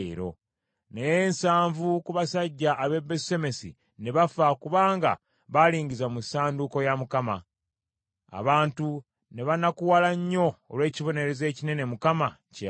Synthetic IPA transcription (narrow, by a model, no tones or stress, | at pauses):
ɾo̞̰ | nejeːnsaːɱvukuβasaɟːaʔːβe̞bese̞me̞sḭ | ne̞βafakuβaːŋɡa̰ | βaliːɲɟizamusaːnduko̞jamukama | a̰βaːntu | ne̞βanakuwalaɲːo̞ːlwe̞ːciβo̞ne̞ɾe̞ze̞ːcine̞ne̞mukamace